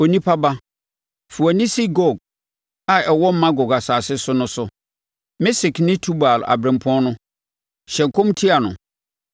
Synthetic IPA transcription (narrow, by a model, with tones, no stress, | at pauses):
o˨nĩ˦pʰa˦ba˦ | fu˨a˨nɪ̃˦si˦ɡɔ˦˨ɡ̚ | a˨ɛ˨wɔ˦m˦mã˦ɡɔ˨ɡa˨saː˨sɪ˦sʊ˦nʊ̃˦sʊ˨ | mɪ˦si˨knɪ̃˦tʰu˦ba˨la̰˨bɾɪ̃˨m˨pʰʊ˦ɔ̃˦nʊ̃˦ | ɕɛ̃˨ŋ˨kʰõ˦mtʰi˦a˨nʊ̰̃˨